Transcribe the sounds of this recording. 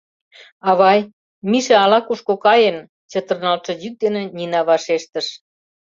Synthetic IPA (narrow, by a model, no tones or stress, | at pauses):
ɑβɑj | miʃĕɑlɑkuʃkokɑjen | t͡ɕə̆t̪ə̆rnɑlʃɤ̆d͡ʑyk̚d̪enĕninɑβɑʃeʃt̪ə̆ʃ